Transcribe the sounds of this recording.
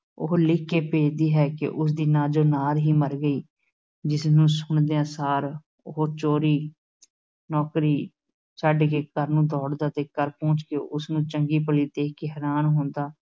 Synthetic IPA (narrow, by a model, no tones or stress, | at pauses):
oɦlɪkːeːpeːd͡ʒd̪iːɦɛːkɪ̰ʔʊs̬d̪iːnaːd͡ʒoːnaːlɦiːməɾɡəiː | d͡ʒɪsnũːsʊɳd̪eːãːsaːɾ | oɦoːt͡ʃoːɾiː | nɔːkɾiː | səɖkeːkəɾnũːd̪ɔːɽd̪aːt̪eːkəɾpɔ̃ːt͡ʃkeːʔʊsnũːt͡ʃəŋɡiːpəliːd̪eːkeɦɛɾaːnɦõːnd̪aː